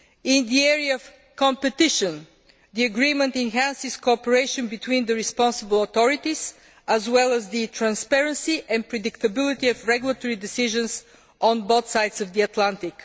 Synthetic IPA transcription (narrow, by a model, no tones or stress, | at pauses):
ɪ̃nd̪iɛɹiəːv̥ | kɔ̃mpɛt̪ɪʃə̃n | ðiəɡɹĩmə̃nt̪ɛ̃nɦæ̃nsɪskoɔpəɹeɪʃə̃nbit̪wĩnd̪əɹispɑ̃nsəbəlˠɔt̪ɔɹɪt̪iz̥ | əzwɛlˠəzðɨt̪ʰɹæ̃nspɛɹə̃nsiʔɛ̃n̚pɹɛd̪ɪkt̪əbɪlˠɪt̪iəvɹɛɡjulˠət̪ɔɹid̪ɪsɪʒə̃ns | ʔɔ̃nbod̪saɪdsəvdiət̪lãnt̪ɪk